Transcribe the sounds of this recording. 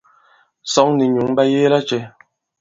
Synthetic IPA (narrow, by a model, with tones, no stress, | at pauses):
sɔ˨˦ŋni˨ɲu˨˦ŋba˦jeː˦la˦t͡ʃɛ˨˦